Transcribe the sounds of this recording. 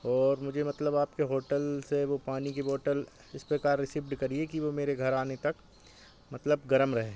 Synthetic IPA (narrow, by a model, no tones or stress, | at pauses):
ɔːɾmʊd͡ʒʱemɐt̪ləbaːpkeɦoːʈəlseʋopaːnikiboːʈəl | ɪspɾekaːɾːɪsɪbɖkɐɾiekiʋomeːɾeɡʱɐɾaːnet̪ɐk | mɐt̪ləbɡɐɾəmɾɐɦẽː